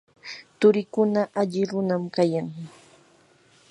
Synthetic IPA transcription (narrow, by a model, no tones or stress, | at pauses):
t̪ʊɾɪkʊnaʔaʎɪɾʊnamkajaŋ